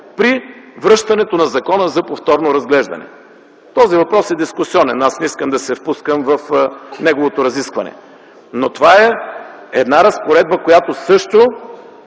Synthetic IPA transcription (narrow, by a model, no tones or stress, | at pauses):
pɾivɾɤʃt̪ɐnɛt̪onɐzɐkɔnəzɐpoft̪ɔɾnoɾɐzɡlɛʒd̪ɐ̰nɛ̰ | t̪ɔzivɐpɾɔsɛd̪iskʊsiɔnɛnasnɛiskəmd̪ɐsɛfpuskəmvɐfnɛɡovot̪oɾɐziskvɐnɛ̰ | not̪ovaɛɛd̪naɾɐspoɾɛd̪̚bəkojat̪osɤʃt̪o